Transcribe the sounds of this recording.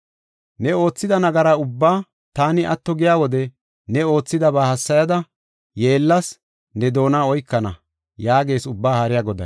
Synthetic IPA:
nɛo̞ːt͡sːɪd̪ɐnɐɡɐɾaʊbːaː | t̪aːnɪʔɐt̪ːɔɡɪjaːwɔd̪ɛ | nɛo̞ːt͡sːɪd̪ɐbaːhɐsːɐjɐd̪ɐ | je̞ːlːɐs | nɛd̪o̞ːnaːɔjkːɐnɐ̰ | jaːɡe̞ːsʊbːaːhɐɾɪjaɡɔd̪ɐ̰

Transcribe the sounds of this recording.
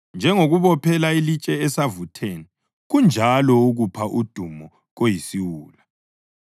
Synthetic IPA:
nd͡ʒʱɛŋoɣuβɔpʰɛlailit͡ʃʼɛɛsavutʰeːni | ɣund͡ʒʱalɔuɣupʰaʔud̥ʱumɔ | ɣojisiwuːla

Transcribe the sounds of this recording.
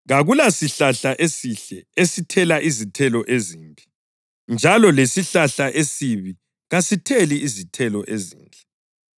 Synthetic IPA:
ɣaɣulasiɬaɬaʔesiɬɛesitʰɛlaʔizitʰɛlɔʔeziːmpʼi̥ | nd͡ʒʱalɔlesiɬaɬaʔesiβi | ɣasitʰɛliːzitʰɛlɔʔezḭːnd͡ɮʱɛ

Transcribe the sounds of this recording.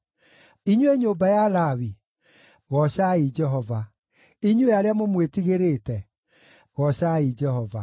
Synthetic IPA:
iɲwɛɲoːbajalawi | ɣɔɕaid͡ʒɛɦɔva | iɲweaɾeamomwetiɣeɾetɛ | ɣɔɕaid͡ʒɛhɔva

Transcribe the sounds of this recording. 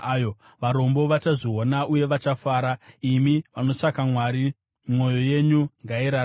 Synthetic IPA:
jo | ʋaɾo̞mbo̞ʋat͡ʃaʐionaʔuje̞ʋat͡ʃafaːɾaimiʋano̞t͡ʂakamwaːɾi | mwo̞jo̞je̞ɲuŋɡaiɾa

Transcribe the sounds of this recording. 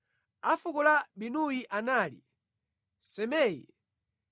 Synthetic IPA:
afukulaɓinujiʔanaːlḭ | sɛmɛːjḭ

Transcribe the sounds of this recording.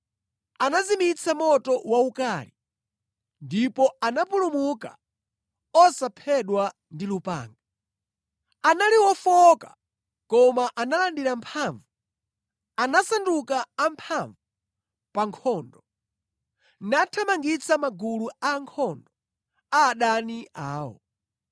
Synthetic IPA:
anazimit͡sʰamɔtɔwaukali | ndipɔanapulumuka̰ | ɔsapʰɛɗwa | ndilupa̰ːŋɡa | analiwɔfɔka | kɔmaʔanalandiɾampʰaɱvu | anasandukaːmpʰaɱvu | paŋkʰɔːndɔ | natʰamaŋɡit͡sʰamaɡuluaŋkʰɔndɔ | aːɗaniʔaːɔ̰

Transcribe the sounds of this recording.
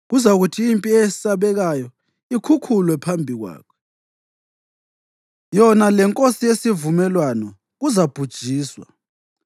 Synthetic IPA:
ɣuzaɣutʰiːmpʼiɛsaβɛɣajɔ | ikʰukʰulwɛpʰambʱiɣwa̰ːkʰɛ̥ | jɔnalɛŋkʼosijesivumɛlwanɔ | ɣuzab̥ʱud̥ʒ̥ʱiːswa̰

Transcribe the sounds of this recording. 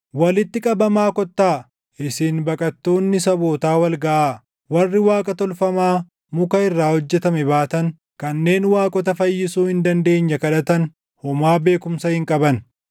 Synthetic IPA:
wɐlɪt̪ːɪkʼɐbɐmaːkɔt̪ːaː | ɪsiːnbɐkʼɐt̪ːo̞ːnːɪsɐbo̞ːt̪aːwɐlɡɐʔaː | wɐrːɪwaːkʼɐt̪ɔlfɐmaː | mʊkɐɪrːaːhɔd͡ʒːɛt̪ɐmɛbaːt̪ɐn | kɐnːe̞ːnwaːkʼɔt̪ɐfɐjːɪsuːhɪnd̪ɐnd̪e̞ːɲːɐkɐᶑɐt̪ɐn | hɔmaːbe̞ːkʊmsɐhɪŋkʼɐbɐn

